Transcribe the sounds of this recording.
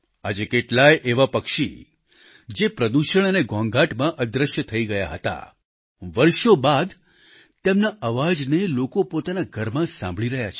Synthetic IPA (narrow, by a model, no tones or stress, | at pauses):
a̰d͡ʒekeʈlajeʔeʋapəkʃḭ | d͡ʒepɾəd̪uʃəɳ̃əneɡʱɔ̃ŋɡaʈmãʔəd̪ɾəʃjət̪ʰəiɡəja̰ɦət̪a̰ | ʋəɾʃobad̪ | t̪emnaʔəʋad͡ʒnelokopot̪anaɡʱəɾmãsã̰mbʱɭiɾəɦja̰t͡ʃʰ